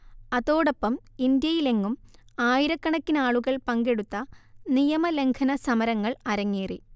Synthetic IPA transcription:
ɐðo̞ːɽopːɐmind̪jɐjile̞ŋːumaːjiɾɐkːɐɳɐkːinaːɭuɣɐɭpɐŋɡe̞ɽut̪ːɐnijɐmɐle̞ŋkʰɐnɐsɐmɐɾɐŋːɐɭɐɾɐŋːiːri

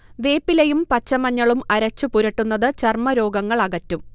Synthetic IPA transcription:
ʋe̞ːpːilejumpɐt͡ɕːɐmɐɲːɐɭumɐɾɐt͡ɕːupuɾɐʈːunːɐðɨt͡ɕɐrmɐɾo̞ːɡɐŋːɐɭɐɣɐtːum

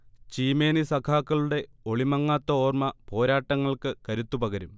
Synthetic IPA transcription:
t͡ɕiːme̞ːnisɐkʰaːkːɐɭuɽe̞ | o̞ɭimɐŋːaːt̪ːɐoːrmɐpo̞ːɾaːʈːɐŋːɐɭkɨkɐɾut̪ːupɐɣɐɾum

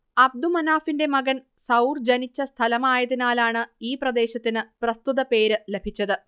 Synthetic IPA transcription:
ɐb̚d̪umɐnaːfinde̞mɐɡɐn | sɐwrd͡ʑɐnit͡ɕːɐst̪ʰɐlɐmaːjɐðinaːlaːɳɨiːprɐd̪e̞ːɕɐt̪ːinɨprɐst̪uðɐpe̞ːɾɨle̞bʱit͡ɕːɐðɨ

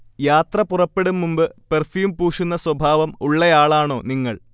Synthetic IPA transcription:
jaːt̪rɐpurɐpːe̞ɽumːumbɨperfjuːmpuːʂunːɐswɐbʱaːʋɐmuɭːɐjaːɭaːɳo̞ːniŋːɐɭ

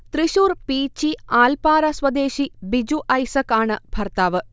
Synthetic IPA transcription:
t̪ɾiʃuːɾpiːt͡ʃiaːlpaːɾɐsʋɐd̪eːʃibid͡ʒuʔɐjsɐkaːɳɨbʱɐɾt̪aːʋɨ

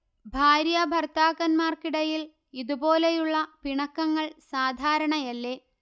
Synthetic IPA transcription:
bʱaːɾjɐbʱɐrt̪aːɣɐnmaːrkiɽɐjil | iðubo̞ːlejuɭːɐpiɳɐkːɐŋːɐɭsaːd̪ʱaːɾɐɳɐjɐlːe̞ː

